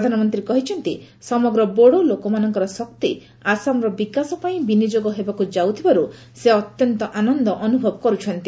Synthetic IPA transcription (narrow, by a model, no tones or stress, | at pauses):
pɾd̪ʱanɔmɔnt̪ɾiekɔɦit͡ʃʰɔnt̪i | sɔmɔɡɾɔboɽolokɔmanɔŋkɔɾɔsɔk̚t̪i | asamɾɔbikasɔpaĩbinid͡ʒoɡɔɦebakud͡ʒawt̪ʰibaɾu | seɔt̪jɔnt̪ɔʔanɔnd̪ɔʔɔnubʱɔbɔkɔɾut͡ʃʰɔnt̪i